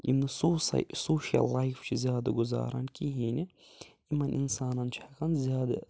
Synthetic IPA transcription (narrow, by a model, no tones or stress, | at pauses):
jḭmnɐsoːssoːʃɐ̰lːajft͡ʃʰizjaːd̪ɐɡʊza̰ːɾɐ̰nkiɦiːnʲi | imɐnʔinsaːnɐnt͡ʃʰɐkɐnzjaːd̪ɐ̰